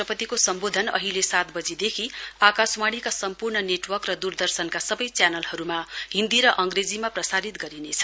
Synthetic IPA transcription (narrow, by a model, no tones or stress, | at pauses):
ʌpʌt̪ikosʌmbod̪ʱʌnʌ̰ɦilesat̪bʌd͡zid̪ekʰiakasmaɽ̃ikasʌmpurɳʌneʈwʌrkrʌd̪urd̪ʌrsʌnkasʌbʌjt͡sjanʌlhʌɾumaɦĩnd̪iɾʌʔʌŋɡred͡zimaprʌsaɾit̪ɡʌɾinet͡sʰʌ̥